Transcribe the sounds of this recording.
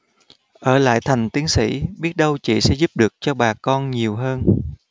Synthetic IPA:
ʔəː˧˩la̰ː˧˨jt̪ʰa˨˩jŋ̟t̪i˨˦əŋsḭ˧˥ɓi˦˥ət̚ɗə˧wt͡ɕḭ˧˨sɛ̰˧˥zu˦˥p̚ɗɨ˨˩ək̚t͡ɕɔ˧ɓaː˨˩kɔ˧nɲi˨˩əwɦəː˧n

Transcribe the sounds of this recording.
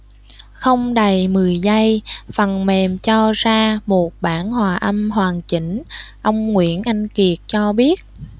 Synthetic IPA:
xə˧wŋ͡mɗə˨˩jmɨ˨˩əjzə˧jfə˨˩nmɛ˨˩mt͡ɕɔ˧zaː˧mo˨˩t̚ɓaː˧˩nhwaː˨˩ʔə˧mɦwaː˨˩ŋt͡ɕi˧˩ŋ̟ʔə˧wŋ͡mŋwḭ˧˥ənʔa˧jŋ̟ki˨˩ət̚t͡ɕɔ˧ɓi˦˥ət̚

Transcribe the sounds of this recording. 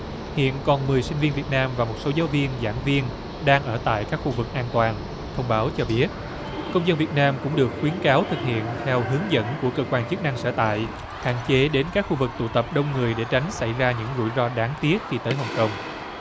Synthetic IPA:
hḭ˧˨ənkɔ˨˩nmɨ˨˩əjsï˧ŋ̟vi˧ənvi˨˩ət̚naː˧mvaː˨˩mo˨˩t̚so˨˦zaː˨˦wvi˧ənza̰ː˧˩ŋvi˧ən | ɗaː˧ŋʔəː˧˩t̪a̰ː˧˨jkaː˦˥k̚xu˧vɨ˨˩k̚ʔaː˧nt̪waː˨˩n | t̪ʰə˧wŋ͡mɓaː˨˦wt͡ɕɔ˧ɓi˦˥ət̚ | kə˧wŋ͡mzə˧nvi˨˩ət̚naː˧mkʊ̰˧˥ŋ͡mɗɨ˨˩ək̚xwi˨˦ənkaː˨˦wt̪ʰɨ˨˩k̚hḭ˧˨ənt̪ʰɛ˧wɦɨ˨˦əŋzə̰˧˥nku˧˩əkəː˧kwaː˧nt͡ɕɨ˦˥k̚na˧ŋsəː˧˩t̪a̰ː˧˨j | ha̰ː˧˨ŋt͡ɕe˨˦ɗe˨˦nkaː˦˥k̚xu˧vɨ˨˩k̚t̪ṵ˧˨t̪ə˨˩p̚ɗə˧wŋ͡mŋɨ˨˩əjɗe˧˩t͡ɕa˨˦jŋ̟sa˧˩jzaː˧ɲɨ̰˧˥ŋzṵ˧˩jzɔ˧ɗaː˨˦ŋt̪i˦˥ət̚xi˧t̪əː˨˦jɦə˨˩wŋ͡mkə˧wŋ͡m

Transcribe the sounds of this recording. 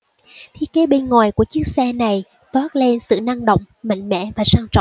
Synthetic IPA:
t̪ʰi˦˥əke˨˦ɓe˧nŋwaː˨˩jku˧˩ət͡ɕi˦˥k̚sɛ˧na˨˩j | t̪waː˦˥t̚le˧nsɨ̰˧˨na˧ŋɗə̰˧˨wŋ͡mma̰˧˨jŋ̟mɛ̰˧˥˨vaː˨˩saː˧ŋt͡ɕɔ̰˧˨wŋ͡m

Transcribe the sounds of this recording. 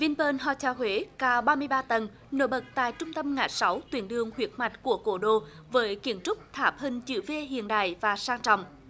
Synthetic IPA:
vi˧npəː˧nɦɔ˧˩t͡ɕaː˨˧˩wɦwe˨˦kaː˧wɓaː˧mɨ˧əjɓaː˧t̪ə˨˩n | no̰˧˥ɓə˨˩t̚t̪a̰ː˧˨jt͡ɕʊ˧ŋ͡mt̪ə˧mŋa̰ː˧˩j̚sa˨˦wt̪wi˨˦ənɗɨ˨˩əŋhwi˨˩ət̚ma˨˩jt̟̚ku˧˩əko˧˩ɗo̰˧˨ | vəː˨˦jki˧˩əmt͡ɕʊ˦˥k͡p̚t̪ʰaː˨˩p̚hï˨˩ŋ̟t͡ɕɨ̰˧˩ve˧ɦḭ˧˨ənɗa̰ː˧˨jvaː˨˩saː˧ŋt͡ɕɔ̰˧˨wŋ͡m

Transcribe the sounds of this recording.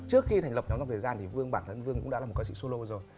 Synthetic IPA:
t͡ɕɨ˦˥əkxi˧t̪a˨˩ŋ̟lə˩pɲ˨˦wt͡ɕa˧ŋ͡mt̪ʰə˨˩zaː˧nt̪ʰi˨˩vɨ˧əŋɓaː˧˩nt̪ʰə˧nvɨ˧əŋkʊ̰˧˥ŋ͡mɗa̰˧˥lːt̚ka˧˦sḭ˧˥so˧lo˧zo˨˩j

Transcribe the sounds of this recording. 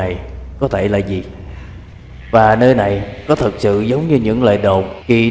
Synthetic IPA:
a˨˩jkɔ˨˦t̪ʰe˧˩laː˨˩zi˨˩ | vaː˨˩nəː˧jna˨˩jkɔ˨˦t̪ʰə˨˩k̚sɨ̰˧˨zə˨˦wŋ͡mɲɨ˧ɲɨ̰˧˥ŋlə̰ː˧˨jɗo̰˧˨ŋ͡mki˨˩

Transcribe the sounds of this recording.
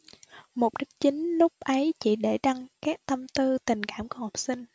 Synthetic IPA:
mo˨˩k͡p̚ɗɨ˦˥k̚t͡ɕi˨˦ŋ̟lʊ˦˥k͡p̚ʔə˨˦jt͡ɕḭ˧˩ɗe˧˩ɗa˧ŋkaː˦˥k̚t̪ə˧mt̪ɨ˧t̪ï˨˩ŋ̟kaː˧˩˨mku˧˦ha˨˩wk͡p̚sï˧ŋ̟

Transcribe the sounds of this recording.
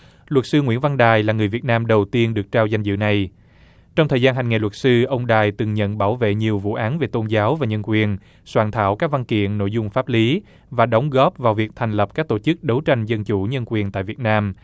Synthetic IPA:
lwə˨˩t̚sɨ˧ŋwḭ˧˥ənva˧nɗaː˨˩jlaː˨˩ŋɨ˨˩jvi˨˩ət̚naː˧mɗə˨˩wt̪i˧ənɗɨ˨˩ək̚t͡ɕaː˧wza˧jŋ̟zɨ̰˧˨na˨˩j | t͡ɕɔ˧wŋ͡mt̪ʰəː˨˩zaː˧nɦa˨˩ŋ̟ŋe˨˩wə˨˩t̚sɨ˧ʔə˧wŋ͡mɗaː˨˩jt̪ɨ˨˩ŋɲə̰˧˨nɓaː˧˩wvḛ˧˨ɲi˨˩əwvṵ˧˨ʔaː˨˦nve˨˩t̪o˧nzaː˨˦wvaː˨˩ɲə˧nkwi˨˩ən | swaː˧˩nt̪ʰa̰ː˧˨wkaː˦˥k̚va˧nkḭ˧˨ənːo̰˧˨jzʊ˧ŋ͡mfaː˦˥p̚li˨˦ | vaː˨˩ɗə˨˦wŋ͡mɣɔ˦˥p̚vaː˨˩wvi˨˩ək̚t̪ʰɛ˨˩ŋ̟lə˨˩p̚kaː˦˥k̚t̪o˧˩t͡ɕɨ˦˥k̚ɗə˨˦wt͡ɕa˧jŋ̟zə˧nt͡ɕu˧˩ɲə˧nkwi˨˩ənt̪a̰ː˧˨jvi˨˩ət̚naː˧m

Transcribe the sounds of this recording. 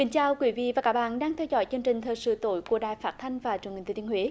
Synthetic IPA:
kï˨˦ŋ̟t͡ɕaː˧wkwi˨˦vḭ˧˨vaː˨˩kaː˦˥ɓa̰ː˧˨nɗaː˧ŋt̪ʰɛ˧wzɔ̰˧˦jt͡ɕɨ˧əŋt͡ɕï˨˩ŋ̟t̪ʰəː˨˩jsɨ̰˧˨t̪o˧˦jku˧˩əɗaː˧˨jfaː˦˥t̚t̪ʰa˧jŋ̟vaː˨˩t͡ɕhï˨˩ŋ˨˧˩i˧hwe˨˦

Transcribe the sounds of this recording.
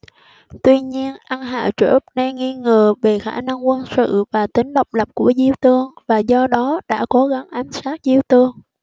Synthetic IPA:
t̪wi˧ɲi˧ənʔa˧nɦa̰ː˧˨t͡ɕə̰˧˩˦p̚na˧ŋi˧ŋəː˨˩ve˨˩xaː˧˩na˧ŋkwə˧nsɨ̰˧˨vaː˨˩t̪ï˨˦ŋ̟ɗə˨˩wk͡p̚lə˨˩p̚ku˧˩əzi˧wt̪ɨ˧əŋvaː˨˩zɔ˧ɗɔ˨˦ɗa̰ː˧˥ko˨˦ɣa˨˦ŋʔa˨˦jŋ̟saː˦˥k̚zi˧wt̪ɨ˧əŋ

